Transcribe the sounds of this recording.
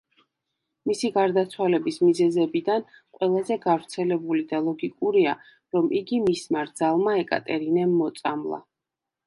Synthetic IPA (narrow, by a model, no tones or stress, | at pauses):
misiɡaɾd̪at̪sʰwalɛbismizɛzɛbid̪anqʼwɛlˠazɛɡavɾt̪sʰɛlɛbulid̪alˠɔɡikʼuɾia | ɾɔmʔiɡimismaɾd̪zalˠmaɛkʼa̰t̪ʼɛɾinɛmːɔt̪sʼamlˠa̰